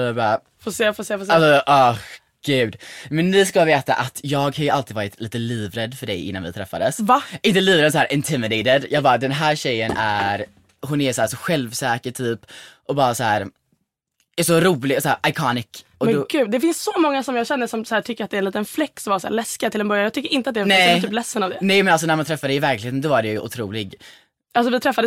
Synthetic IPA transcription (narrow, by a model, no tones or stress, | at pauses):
ɑbɑːɾa | foseːfoseːfoalsɔʔɔx | ɡ̥ʉ̟ːd̪mɛnnɪskaveːt̪a̰ʔat̪jɑːɡhajɵalt̪ʰɪd̪vɑːɾɪt̪ʰliːt̪əliːvɾɛd̪ːfœɖɛ̰jʔɪ̰nːa̰nvɪ̰t̪ʰɾɛfːa̰d̪əsvaʔɪnt̪əliːvɾɛnsæːɾʔɪnt̪ʰɪmɪd̪ɛɪd̪ɛd̪jɑːɡbɑːɾad̪ɛnɦæːɾɕɛjːənæ̰ɾ | ɦʊnæɾsæːʂɔɧɛlvsɛːkəʈʰyːpʔɔbɑːɾasæ̰ːɾ | æʂɔɾuːlɪɡsæːɾʔajkʰɑːnɪkɔmɛd̪ɡʉːd̪ɛfɪnssɔmɔŋːasɔmjɑːɕɛnːəsɔmsæːʈʰʏkːəɾat̪d̪ɛɾɛnliːt̪ənflɛkːsɔmvasæ̰ːɾlɛskɪat̪ʰɪlɛnbœɾjajɑɡt̪ʏkːəɾʔɪnt̪əat̪d̪ɛnɛt̪ʰyːplɛsːənavd̪ɛnɛjmɛnals̬ɔnæɾmant̪ʰɾɛfːad̪ɛɪvæɾklɪheːt̪ənɔvaɖɛjjʉʔʊ̰t̪ʰɾuːlɪɡ | ʔals̬ɔvɪt̪ʰɾɛfːad̪əs